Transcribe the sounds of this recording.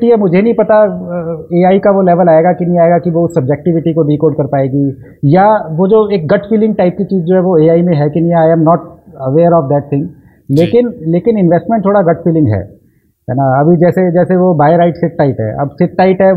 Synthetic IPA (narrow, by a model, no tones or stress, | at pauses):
ʈiɦɛmʊd͡ʒʱenɐɦĩpɐt̪a | eːaːikaʋolɛːʋəlaːeɡakinɐ̃ɦĩaːeɡakiʋoʊsːɐb̚d͡ʒɛk̚ʈɪʋɪʈikoɖiːkoːɖkɐɾpaːeːɡiː | jaʋod͡ʒoeːk̚ɡɐʈfiːlɪ̃ŋɡ̚ʈaːɪp̚kit͡ʃiːzd͡ʒoːɦɛʋoeːaːimẽɦɛkɪnjaaːɪɛ̃ːmnɔːʈ̚ɐʋeːɾɔːfd̪ɛːʈ̚t̪ʰɪ̃ŋɡ | leːkɪnleːkɪnɪ̃nʋɛsʈmẽɳʈt̪ʰoːɽaɡɐʈfiːlɪ̃ŋɡɦɛ̰ː | ɦɛ̰ːnaɐbʱid͡ʒɛːsed͡ʒɛːseʋobaːjɾaːɪʈsɪʈːaɪʈɦɛ̰ɐ̰bsɪʈːaːɪʈɦɛ